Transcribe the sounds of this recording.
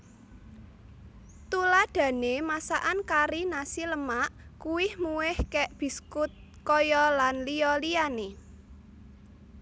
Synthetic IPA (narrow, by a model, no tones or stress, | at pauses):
t̪ulad̪̥ä̤nemasaʔankaɾinasiləmaʔkuwɪhmuwɪhkɛʔb̥i̤skʊt̪̚ | kɔjɔlanliɔliane